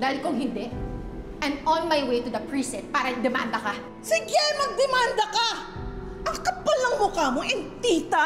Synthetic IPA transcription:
d̪aːhɪlkʊŋɦɪnd̪ɛʔ | ʔɛ̃nd̪ɔnmajwejt̪ʊd̪ɐpɹiːsɛn̚paːɾɐd̪ɛma̰ːnd̪ɐkɐ | sɪɡɛjmɐɡ̚d̪ɛmand̪ɐkɐ | ʔɐŋkɐpalɐŋmʊkaːmoʔɪnt̪iːt̪a

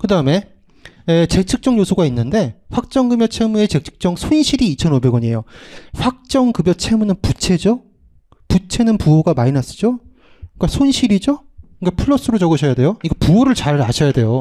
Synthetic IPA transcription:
kɯdaɯme̞ | et͡ɕe̞k̚t͡ɕʰɯk̚t͡ɕ͈ʌŋɲjosʰuɡainːɯnde̞ɸwak̚t͡ɕ͈ʌŋɡɯbjʌt͡ɕʰe̞mue̞t͡ɕe̞k̚t͡ɕʰɯ̥k̚t͡ɕ͈ʌŋsʰonɕʰiɾiːt͡ɕʰʌnobe̞ɡwʌɲie̞joɸwak̚t͡ɕ͈ʌŋkɯbjʌt͡ɕʰe̞munɯnput͡ɕʰe̞d͡ʑo | put͡ɕʰe̞nɯnpuoɡamainas͈ɯ̥d͡ʑo | k͈asʰonɕʰiɾid͡ʑo | kapʰɯɭːʌs͈ɯɾot͡ɕʌɡɯɕʰʌjade̞joiɡepuoɾɯɭt͡ɕaɾaɕʰʌjade̞jo

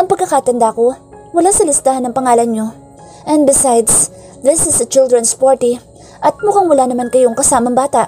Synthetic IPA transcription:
ʔɐŋpɐɡ̚kɐkat̪ɐnd̪ako̞wɐlasɐlɪst̪aːhɐnːɐŋpɐŋaːlɐnɲo̞ | ʔɛ̃n̚bɪsajd̪s | ðɪsɪsɐt͡ʃɪld̪ɾɛnspaɹt̪i | ʔɐt̪̚mʊkaŋwɐlanɐmankɐjoŋkɐsaːmɐŋbaːt̪aʔ

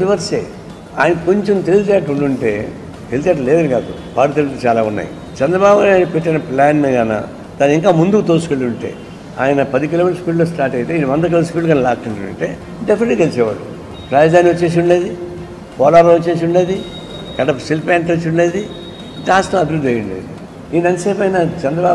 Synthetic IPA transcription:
biʋɐɾsḛː | a̰ːjɐnɐkoɲt͡ʃemt̪ellt͡ʃɛːʈːuɳɖuɳʈe̞̰ː | elt̪ɛːʈːɐlɛːd̪ɐniɡaːd̪u | ʋaːɽut̪elt̪ːt͡ʃaːlaːunːa̰ːjḭ | t͡ʃɐnd̪ɾɐbaːbŋɡapeʈːɐnɐplaːnmeɡaːna̰ | d̪aːnːiŋkaːmund̪ukt̪oːsu̥koliuɳʈḛː | a̰ːjɐnɐpɐd̪ikilomeʈɐspiːlloːsʈaːɾʈɐjit̪eːjinɐʋɐnd̪ɐk̬ilospiːlːɡɐːnɐlaːʈːuɳʈunṵɳʈe̞̰ː | ɖepʰɐneʈːikelit͡ʃɛːʋa̰ːɽṵ | pɾaːd͡ʒd̪aːnːiʋɐt͡ʃːe̞ːs̬iuɳɖeːd̪i | pʰɔːlɐːɾɐʋot͡ʃːe̞ːs̬uɳɖeːd̪i | kɐɖɐpsilpaːɳʈɾɐt͡ʃːuɳɖeːd̪i | ʈaːsʈɐmɐbʱiɾud̪ɐjuɳɖḛːd̪i | iːnɐnseːpɐjnat͡ʃɛnd̪ɾɐbaː

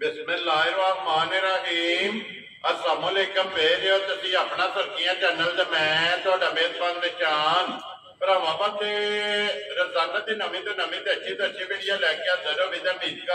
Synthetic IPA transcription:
bɪsmə̃ːlaːɪɾõaːkmaːneɾaːɦiːm | əɾsaːmõːleːkəmʋeːɾːoːt̪əsiːaːpɳãːsəɾkɪjãːt͡ʃɛːnːəld̪eːmɛ̃ːt̪ʊaːɖaːmeːt̪mãːnd̪eːt͡ʃaːn | pəɾəʋãːbat̪eː | ɾəzaːnəd̪iːnəmĩːt̪õːnəmĩːt̪ɛːt͡ʃʰiːt̪ət͡ʃʰiːbeːɽɪjaːlɛːkeːəd̪əɾoːmĩːt̪aːmĩːk

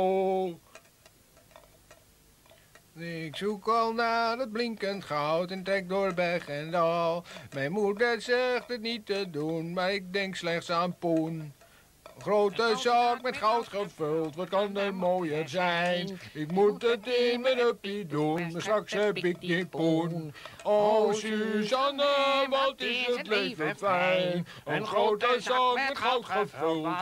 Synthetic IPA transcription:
ɪksukɔlˠnadəd̚blɪŋkəntχɔwtɛntrɛk̚dʊrbɛχɛndɔlˠmɛjnmudətsɛχdətnitədunmaɾɪk̚dɛŋkslɛχtsanpun | χroːtəsɑkmɛtχɔwtχəfølˠtʋɔt̚kɑndəmoːjəzɛjnɪkmut̚dətɪnmɛnɔpjidunməsaksɛbɪknɪpunɔsysɔnəʋɔtɪsətleːfəfɛjnn | ənxrowtəsak̚mɛtχɔwtχəfølˠt

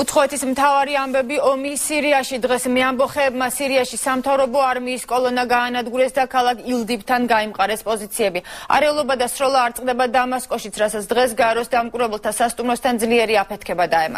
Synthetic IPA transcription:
ut̪sχɔɛt̪ʰismt̪ʰavaɾiambɛbiɔmisiɾiaʃid̪ʁɛsmɛambɔχɛːbmasiɾiaʃisamt̪ʰavɾɔbɔaɾmiːskʼɔlˠɔnaɡaːnad̪ɡuɾɛsd̪akʰalˠakʰilˠd̪ipt̪ʰanɡaimqʼaɾɛspʼɔzit̪sʰiɛbia̰ɾɛulˠɔbad̪asɾɔlˠaːɾt̪sʼqʼd̪ɛbad̪amaskʼɔʃit̪sʰɾatsat̪sʰd̪ʁɛs̬ɡaɛɾɔsd̪amkʼuɾɛbɛlˠt̪ʰasast̪ʼumɾɔst̪ʰand̪zliɛɾiapʰɛt̪ʰkʰɛbad̪aɛma̰

